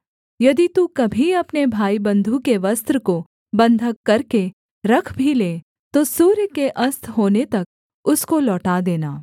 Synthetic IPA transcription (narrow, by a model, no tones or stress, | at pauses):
jɐd̪it̪ukɐbʱiɐpnebʱaːibɐ̃nd̪ʱukeʋɐst̪ɾəko | bɐ̃nd̪ʱəkːɐɾke | ɾɐkʰbʱileː | t̪osuːɾjəkeʔɐst̪ʰɦoːnet̪ɐk̚ | ʊskolɔːʈad̪eːnaː